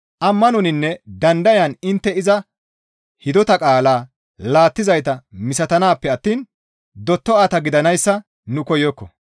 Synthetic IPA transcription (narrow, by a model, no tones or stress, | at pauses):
ʔɐmːɐnɔnɪnːɛd̪ɐnd̪ɐjɐnɪnt̪ːɛɪzɐ | hɪd̪ɔt̪ɐkʼaːlaː | laːt̪ːɪzɐjt̪ɐmɪsɐt̪ɐnaːpːɛɐt̪ːiːn | d̪ɔt̪ːɔaːt̪ɐɡɪd̪ɐnɐjsːɐ | nʊkɔjɔkːɔ̰